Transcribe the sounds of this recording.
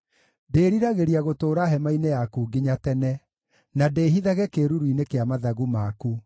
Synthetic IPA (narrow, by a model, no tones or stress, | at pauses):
deːɾiɾaɣeɾiaɣotoːɾaɦɛmainejakuːɡiɲatɛnɛ | nadeːɦiðaɣɛkeɾuɾuinekeamaðaɣumaku